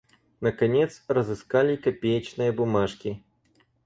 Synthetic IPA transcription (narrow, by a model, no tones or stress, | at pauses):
nɐkanʲɛt̪srɐzɨskalʲikapʲejɐt͡ʃnɨjɐbumaʂkʲi